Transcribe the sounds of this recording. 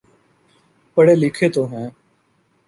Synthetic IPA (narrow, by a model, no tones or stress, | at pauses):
pəɽeːlɪkʰeːt̪oːɦɛ̃ː